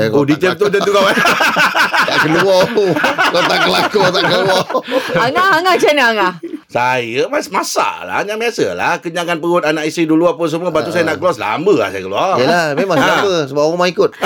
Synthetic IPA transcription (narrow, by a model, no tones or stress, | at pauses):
udit͡ʃət̪ud͡ʒant̪ukawa | t̪aʔkəlua | kot̪aʔkəlakut̪aʔkəluaaŋaaŋat͡ʃanəaŋahsajəmasmasa̰la̰ɲaŋmiasə̰la̰kəɲakanpəɡʊt̪anaʔisiduluap̬ʊns̬əmuəbat̪usajənaʔɡəlɔsla̰mbəla̰hsa̰jə̰kəlṵajəlamemãsabəsəbap̚amaŋikʊt̪̚